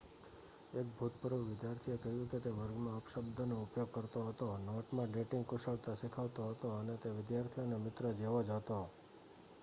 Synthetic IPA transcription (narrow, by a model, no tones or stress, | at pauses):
ek̚bʱut̪̚pəɾʋuʋɪd̪jaɾt̪ʰiekəɦjũket̪eʋəɾɡmãəpʃəbd̪ʱənoupjoɡ̚kəɾt̪oɦət̪onoʈmãɖeʈɪŋɡkʊʃəɭt̪asikʰəʋt̪oɦət̪oənet̪eʋɪd̪jaɾt̪ʰionemɪt̪ɾəd͡ʒeʋod͡ʒət̪o